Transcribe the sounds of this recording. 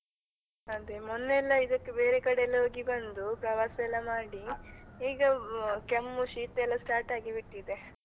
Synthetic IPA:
ɐd̪emunːɛlːɐid̪ɐkːebe̞ːɾekɐɽeɛlːɐɦoːɡibɐnd̪upɾɐʋaːsɐɛlːɐmaːɽiiːɡɐkemːuʃiːt̪ɛlːɐsʈaːɾʈaːɡibiʈːid̪e̞

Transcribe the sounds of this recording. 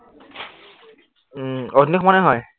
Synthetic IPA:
ɔdnikʰɔmanɛɦɔj

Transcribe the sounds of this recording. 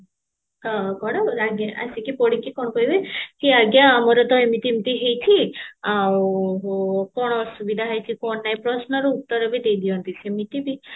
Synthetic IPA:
ɦɔkɔɽɔaɡa̰sikipoɽikikɔɽ̃ɔkɔjbejkiaɡjaːmɔɾɔd̪ɔjmit̪imit̪iɦejt͡ʃʰiaw | kɔɽ̃ɔsubid̪ʱaɦajt͡ʃʰikɔnːajpɾɔsnɔɾuut̪ːɔɾɔbid̪ejd̪iɔnt̪isemit̪ibi

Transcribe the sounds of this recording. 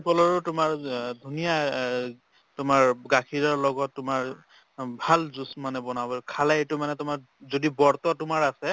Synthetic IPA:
pɔlɔɹotʊmaɹdʱunija | tʊmaɹɡakʰiɹɔɹlɔɡɔtːʊmaɹ | bʱalzusmanɛbɔnabɔkʰalaetʊmanɛtʊmaɹ | zodibɔɹt̪ɔtʊmaɹasɛ

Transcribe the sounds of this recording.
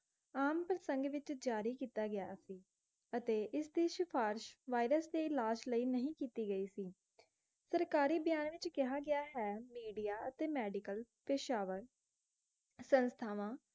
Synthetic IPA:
aːmpɾəsə̃ŋɡʋɪt͡ʃd͡ʒaːɾiːkiːt̪aːɡɪjaːsiː | ət̪eːʔɪsd̪iːʃɪpʰaːɾʃʋaːɪɾəsd̪eːɪlaːd͡ʒləiːnəɦĩːkiːt̪iːɡəiːsiː | səɾkaːɾiːbəjaːnʋɪt͡ʃkɪɦaːɡɪaːɦɛːmiːɖijaːət̪eːmɛːɖɪkəl | pɪʃaːʋəɾ | sənst̪ʰaːʋãː

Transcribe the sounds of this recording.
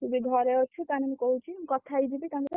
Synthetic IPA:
k̪ubiɡʱɔɾeɔt͡ʃʰut̪anemũkɔɦut͡ʃʰikɔt̪ʰajd̪ibit̪anet̪e

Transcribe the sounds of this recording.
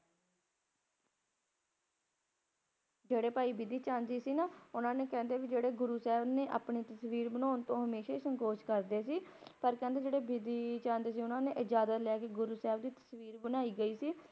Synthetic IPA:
d͡ʒeːɽeːpaːiːbɪd̪iːt͡ʃãːnd͡ʒiːsiːnaːʊnãːneːkɛ̃ːnd̪eːʋid͡ʒeːɽeːɡʊɾuːsɛːbnẽːʔa̰ːpɳiːt̪əsʋiːɾbənaːnt̪õːɦəmeːʃaːiːsəŋkoːʃkəɾd̪eːsiːpəɾkɛ̃ːnd̪eːd͡ʒeːɽeːbɪd̪iːt͡ʃãːnd͡ʒ̪eːs̬iːʊnãːnẽːʔɪd͡ʒaːd̪əlɛːkeɡʊɾuːsɛːbd̪iːt̪ə̥sʋiːɾbənaːiːɡəiːsiː

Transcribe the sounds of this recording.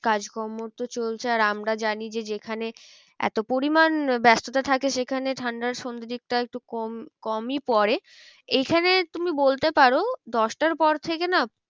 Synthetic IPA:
kad͡ʑkɔmoɾt̪ot͡ɕolt͡ɕʰeaɾamɾad͡ʑanid͡ʑed͡ʑekʰane | ɛ̰t̪opoɾimanbɛst̪ot̪at̪ʰakeʃekʰaneʈʰaɳɖaɾʃond̪iɾik̚ʈaek̚ʈukɔmkɔmipɔɾe | ejkʰanet̪umibolt̪epaɾod̪ɔʃʈaɾpɔɾt̪ʰekena

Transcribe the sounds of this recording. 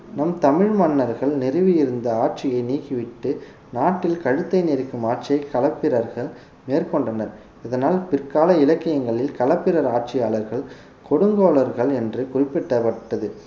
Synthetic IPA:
nɐmt̪ɐmɪɻmɐnːɐɾɣɐɭnɪrɯʋɪjɪɾɯnd̪ɐaːʈ̚t͡ʃɪjɐɪniːkɪʋɪʈːɯ | naːʈːɪlkɐɻɯt̪ːɐɪneɾɪkːɯmaːʈ̚t͡ʃɪjɐɪkːɐlɐpːɪɾɐɾɣɐɭ | meːrkɔɳɖɐnɐɾ | ɪðɐnaːlpɪrkaːlɐɪlɐkːɪjɐŋɡɐɭɪlkɐlɐpːɪɾɐɾaːʈ̚t͡ʃɪjaːlɐɾɣɐɭ | kɔɽɯŋɡoːɭɐɾɣɐɭɛndrɯkʊrɪpːɛʈːɐpɐʈːɐðɯ

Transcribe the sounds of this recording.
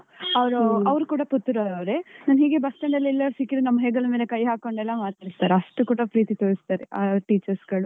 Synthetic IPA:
ɐʋɾuɐʋɾukuːɽɐput̪ːuɾɐɐʋɾenaːnɦiːɡebɐst̪ɐɳɖɐlːilːɐɾsiːkiɾunɐmːɐɦeːɡɐlmeːlekɐjɦaːko̞ɳɖɛlːɐmaːt̪aːɾist̪aːɾeɐʂʈukuːɽɐpɾiːt̪it̪oːɾist̪aːɾeʔaːʈiːt͡ʃɐɾsɡɐɭu

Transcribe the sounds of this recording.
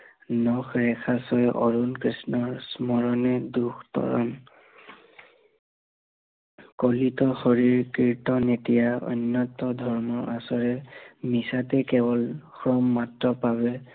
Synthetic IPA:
nɔkɹɛkʰasɔjʔɔɹunkɹisnɔɹsmɔɹɔnɛduxʰtɔ̰ɹɔ̰n | kolitɔxoɹiɹkiɹtɔnetijaɔ̰nːɔtɔdʱɔɹmɔɹasɔɹɛmisatɛkɛbɔlkɹɔmːatɹɔpaβɛ

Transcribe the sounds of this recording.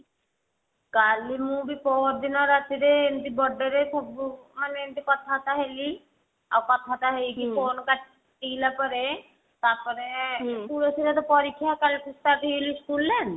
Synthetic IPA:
kalimubipɔɾd̪inɔɾat̪iɾeend̪ibɔɖeɾesɔbmaneent̪ikɔt̪ʰat̪aɦeli | a̰wkɔt̪ʰat̪aɦelikikonka | ʈilapɔɾe | t̪aɾpɔɾepuɾosiɾat̪ɔpɔɾikʰːjakalipɾisʈ̪aɾt̪iliskulːen

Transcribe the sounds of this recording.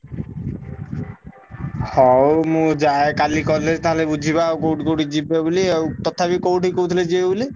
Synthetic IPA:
hɔwmũd͡ʒaekalikɔled͡ʒt̪aɦɔlebud͡ʒʱiβakowʈkowʈid͡ʑibebuliewt̪ɔt̪ʰabikowʈikowt̪ʰiled͡ʒibebuli

